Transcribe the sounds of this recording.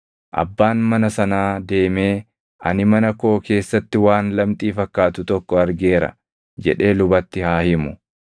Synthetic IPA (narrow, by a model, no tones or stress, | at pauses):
ʔɐ̰bːaːnmɐnɐsɐnaːd̪e̞ːme̞ː | ʔɐ̰nɪmɐnɐko̞ːke̞ːsːɐt̪ːɪwaːnlɐmt̪ʼiːfɐkːaːt̪ʊt̪ɔkːɔɐɾɡe̞ːɾɐ̰ | d͡ʒɛ̰ᶑe̞ːlʊbɐt̪ːɪhaːhɪmʊ